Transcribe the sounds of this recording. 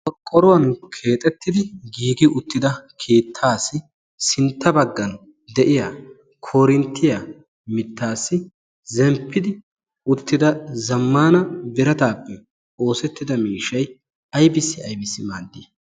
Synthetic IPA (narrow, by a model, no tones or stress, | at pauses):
ɔkʼːɔɾʊwɐnkʰe̞ːt̪ʼɛt̪ːɪd̪ɪɡiːɡɪʊt̪ːɪd̪ɐkʰe̞ːt̪ʰːaːsɪ | sɪnt̪ːɐbɐɡːɐn | d̪ɛʔɪjaː | kʰoːɾɪnt̪ːɪja | mɪt̪ːaːsːɪ | zɛmpʰːɪd̪ɪ | ʊt̪ːɪd̪ɐzɐmːaːnɐbɪɾɐt̪aːpːɛ | o̞ːsɛt̪ːɪd̪ɐmiːʃɐj | ɐjbɪsːɪɐjbɪsːɪmaːd̪ːiː